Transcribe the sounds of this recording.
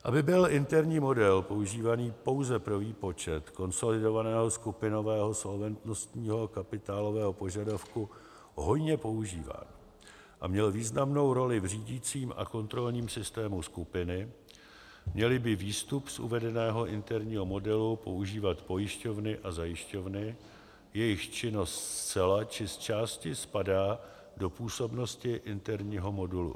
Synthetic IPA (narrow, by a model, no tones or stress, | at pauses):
ʔabɪbɪlʔɪnt̪ɛɾɲiːmo̞dɛlpo̞uʒiːvaniːpo̞wzɛpɾoviːpo̞t͡ʃɛt̪ko̞nso̞lɪdo̞vanɛːɦo̞skupɪno̞vɛːɦo̞so̞lvɛnt̪nost̪ɲiːɦo̞kapɪt̪aːlo̞vɛːɦo̞po̞ʒadafku | ɦo̞jɲɛpo̞uʒiːva̰ːn | ʔa̰mɲɛlviːznamno̞wɾo̞lɪvr̝iːɟiːt͡siːmʔa̰ko̞nt̪ɾo̞lɲiːmsɪst̪ɛːmuskupɪnɪ | mɲɛlɪbɪviːst̪upsʔṵvɛdɛnɛːɦo̞ʔɪnt̪ɛɾɲiːɦo̞mo̞dɛlupo̞̰uʒiːvat̪po̞jɪʃco̞vnɪʔazajɪʃco̞vnɪ | jɛjɪxt͡ʃɪno̞st̪st͡sɛlat͡ʃɪst͡ʃaːscɪspadaː | do̞puːso̞bno̞scɪʔɪnt̪ɛɾɲiːɦo̞mo̞dulṵ